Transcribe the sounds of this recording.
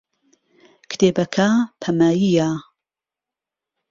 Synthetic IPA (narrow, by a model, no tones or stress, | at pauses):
kʰt̪ʰeːbɐkʰapʰɐmaːjija